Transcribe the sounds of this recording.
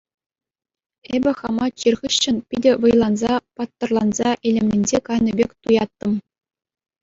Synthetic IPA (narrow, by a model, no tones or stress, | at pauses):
ebʲɘ̆χɑmɑt͡ɕirʁʲɘ̆ɕːɘ̆npʲidʲɘ̆ʋɤ̆jlˠɑnzɑpɑt̪ːɤ̆rlˠɑnzɑʔelʲemlʲenʲd͡ʑekɑjnʲɤ̆bʲekʲt̪ujɑt̪ːɤ̆m